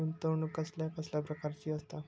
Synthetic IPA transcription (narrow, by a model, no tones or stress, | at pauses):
uːnt̪əʋɳukəsljakəsljapɾəkaɾt͡ɕiːəst̪a